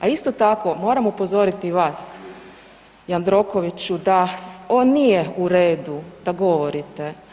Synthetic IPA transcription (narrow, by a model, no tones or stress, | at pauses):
aist̪o̞t̪ako̞mo̞ːɾamupozo̞ɾit̪iʋaːs | jand̪ɾo̞ko̞ʋit͡ɕud̪aonːijeuɾeːd̪ud̪aɡo̞ʋo̞ɾit̪e